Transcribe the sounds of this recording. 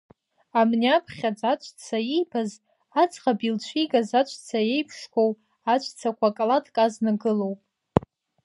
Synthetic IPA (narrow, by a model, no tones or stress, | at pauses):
amniapʰχʲad͡zʼat͡ʃʷʰʼt͡sʰajijbʰaz | at͡sʼχabilt͡ʃʷʰiɡazat͡ʃʷʰʼt͡sʰaje̞jpʰʂkʷʰow | at͡ʃʷʰʼt͡sʰakʷʰakʼlatʰʼkʼaznaɡɨlowpʼ